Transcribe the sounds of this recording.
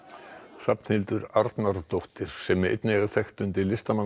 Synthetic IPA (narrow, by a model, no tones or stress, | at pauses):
sapn̥hɪlt̪ʏɾaɾt̪naɾt̪owht̪ɪɾ̥sɛmɛḛjt̪nɣaθɛxt̪ʏnt̪ɪlɪst̪aman